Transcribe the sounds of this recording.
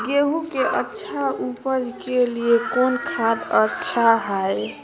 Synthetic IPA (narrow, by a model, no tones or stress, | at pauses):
ɡeɦukeʔətːʃʰaupəd͡ʒkeliekonkʰɾad̪ətːʃʰaɦaj